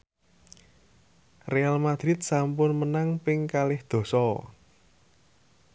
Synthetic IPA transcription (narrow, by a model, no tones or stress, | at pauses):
realmad̪̥ɾɪt̪̚sampʊnmənaŋpɪŋkalɪhd̪̥o̤sɔ